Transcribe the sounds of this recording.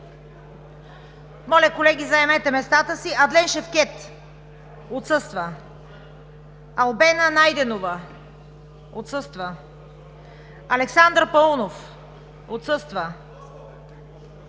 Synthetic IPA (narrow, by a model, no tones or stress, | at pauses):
mɔlʲəkolɛɡʲizɐɛmɛt̪ɛmɛst̪at̪əsiɐd̪lɛnʃɛfkɛt̪ | ot̪sɤst̪və | ɐlˠbɛnənajd̪ɛnovə | ot̪sɤst̪və | ɐlɛksand̪ɾpɐlˠunof | ot̪sɤst̪və